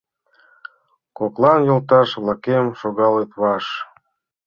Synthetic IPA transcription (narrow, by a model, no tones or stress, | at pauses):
koklɑnjolt̪ɑʃβlˠɑkemʃoɣɑlet̪βɑʃ